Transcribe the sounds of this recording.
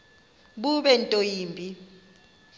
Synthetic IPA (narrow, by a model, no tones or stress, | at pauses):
ɓuɓɛntʼojiːmbʱi